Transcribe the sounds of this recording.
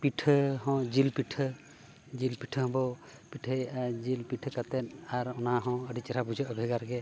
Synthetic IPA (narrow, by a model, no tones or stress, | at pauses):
piʈʰəɦɔ̃d͡ʒilpiʈʰə | d͡ʒilpiʈʰəɦɔ̃bɔ | piʈʰəjad͡ʒilpiʈʰəkat̪ɛnaɾɔnaɦɔ̃əɖit͡ʃaɾʰabud͡ʒəʔəbʱiɡaɾɡɛ